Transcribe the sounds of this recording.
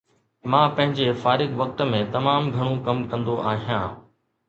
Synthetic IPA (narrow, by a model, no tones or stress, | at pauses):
mãːpɐ̃ɦɪ̃ɲd͡ʑefaːɾɪɡʋɐk̚t̪̆mẽt̪ɐmaːmɡʱɐɽ̃õkɐmkɐ̃nd̪oʔaːɦijã̰ː